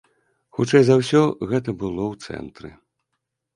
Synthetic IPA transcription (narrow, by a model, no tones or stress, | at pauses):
xut͡ʂɛjzawsʲɔɣɛt̪ɐbɨlˠɔwt̪sɛ̰nt̪ɾɨ̰